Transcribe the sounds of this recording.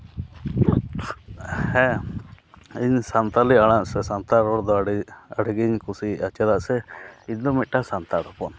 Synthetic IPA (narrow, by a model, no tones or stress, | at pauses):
hɛ̃ | iɲsant̪aliaɽ̃aʔsɛsant̪aɾɔɽd̪ɔaɽiɡiɲkusiat͡ʃad̪aʔsɛiɲd̪ɔmit̪̚ʈasant̪aɽɔpɔn